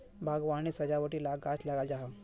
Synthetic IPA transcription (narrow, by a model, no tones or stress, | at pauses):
bʱaɡʋañiːsəd͡ʑaʋəʈiːlaɡat͡ʃlaɡald͡ʒaɦa